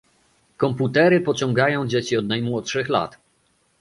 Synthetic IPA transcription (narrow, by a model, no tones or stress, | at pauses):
kɔmput̪ɛɾɘpɔt͡ɕɔ̃ŋɡajɔ̃w̃d͡ʑet͡ɕiɔd̪najmwɔtʂɘxla̰t̪